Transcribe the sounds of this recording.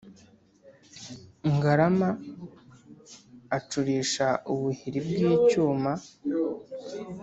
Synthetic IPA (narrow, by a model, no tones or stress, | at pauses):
ŋɡaɾama | t͡ʃuɾiːʃauβuhiɾibɡiːcuːma